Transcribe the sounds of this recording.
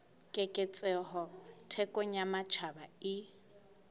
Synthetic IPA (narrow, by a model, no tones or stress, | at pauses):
kʼɛkʼɛt͡sʼɛɦɔtʰɛkʼɔɲamat͡ʃʰabaɪ